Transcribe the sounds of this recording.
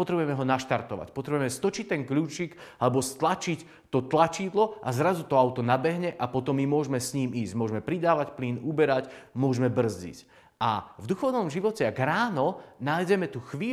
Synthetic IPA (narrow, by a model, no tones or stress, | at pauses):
pɔt̪ɾɛbujɛmɛɦɔnaʃt̪aɾt̪ɔʋa̰cpɔt̪ɾɛbuʊjɛmɛst̪ɔt͡ʃic̚ʲt̪ɛŋkʎuːt͡ʃiɡalɛbɔst̪lat͡ʃic | t̪ɔt̪lat͡ʃid̪lɔazɾazut̪ɔaʊt̪ɔnabɛɦɲɛʔapɔt̪ɔmːimʊɔʒmɛsɲiːmiːzɟmʊɔʒmɛpɾid̪aːʋacpliːnubɛɾacmʊɔʒmɛbr̩zɟḭc | avd̪uxɔʊnɔmʒiʋɔcɛaɡɾaːnɔnaːjɟɛmɛt̪uxʋiː